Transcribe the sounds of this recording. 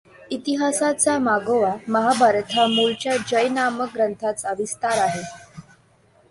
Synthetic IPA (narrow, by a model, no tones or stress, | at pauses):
it̪iɦasat͡samaɡoʋaməɦabʱaɾt̪ʰamuɭt͡ɕjad͡ʑəjnamək̚ɡɾənt̪ʰat͡səʋist̪aɾaɦe